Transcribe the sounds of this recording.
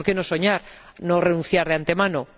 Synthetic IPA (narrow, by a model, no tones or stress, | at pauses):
ɾkeno̞so̞ɲaɾ | nore̞nũnθjaɾðeant̪e̞mano